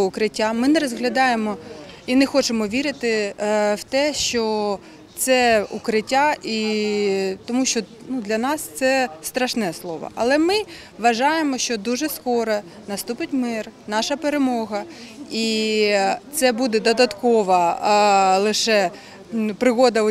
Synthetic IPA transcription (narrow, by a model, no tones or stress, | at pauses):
ʊkɾɪtʲːamɪnɛɾɔzɦlʲɐd̪ɑjemɔ | inɛxɔt͡ʃemɔʋʲiɾɪt̪ɪwt̪ɛʃt͡ʃɔ | t̪sɛukɾɪtʲːaʔi | t̪ɔmuʃt͡ʃɔ | nud̪lʲɐnɑst̪sɛst̪ɾɐʃnɛslˠɔʋɐ̰ʔɐlˠɛmɪ | ʋɐʒɑjemɔʃt͡ʃɔd̪uʒɛskɔɾɐ | nɐst̪upɪtʲmɪrnɑʃɐpeɾemɔɦɐi | t̪sɛbud̪ɛd̪ɔd̪ɐt̪kɔʋɐ | lˠɪʃɛ | pɾɪɣɔd̪ɐ